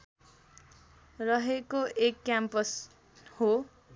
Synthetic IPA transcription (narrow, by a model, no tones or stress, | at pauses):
rʌɦekoʔekːjampʌs | ho